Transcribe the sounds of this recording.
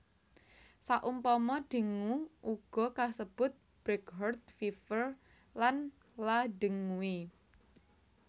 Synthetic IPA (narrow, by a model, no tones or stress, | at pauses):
saʔumpɔmɔɖ̥ə̤ŋuʔuɡ̥ɔ̤kasəb̥ʊt̪̚ | b̥ɾɛkɦɔrt̪̚fifər | lan | ladə̤ŋuwi